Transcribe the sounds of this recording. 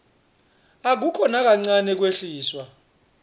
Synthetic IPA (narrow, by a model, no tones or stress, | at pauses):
ak̬ukʰɔnak̬ʼaŋ͡ǀanɛk̬weɬiːswa